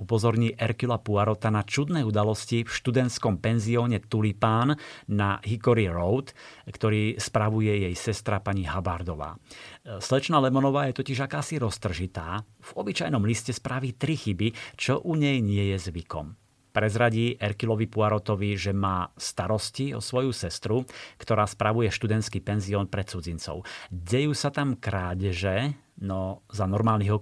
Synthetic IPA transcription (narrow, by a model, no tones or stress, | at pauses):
upɔzɔɾɲiːʔɛɾkilapuaɾɔt̪anat͡ʃud̪nɛud̪alɔscifʃt̪ud̪ɛnt̪skɔmpɛnziɔːɲɛt̪ulipaːnːaɦikɔɾiɾɔʊt̪kt̪ɔɾiːspɾaʋujɛjɛjsɛst̪ɾapaɲiɦabaɾd̪ɔʋa̰ːslɛt͡ʃnaːlɛmɔnɔʋaːjɛt̪ɔciʒakaːsiɾɔst̪r̩ʒit̪aːv̥ɔbit͡ʃajnɔmliscɛspɾaʋiːt̪ɾixibit͡ʃɔʔuɲɛjɲɪɛjɛzʋikɔ̰m | pɾɛzɾaɟiːʔɛɾkilɔʋipuaɾɔt̪ɔʋiʒɛmaːst̪aɾɔsciɔ̰sʋɔjusɛst̪ɾukt̪ɔɾaːspɾaʋujɛʃt̪ud̪ɛnskipɛnziɔːnpɾɛt͡sud͡zint͡sɔ̰ʊɟɛjuːsat̪amkɾaːɟʒɛ | nɔzanɔɾmaːlniɦɔ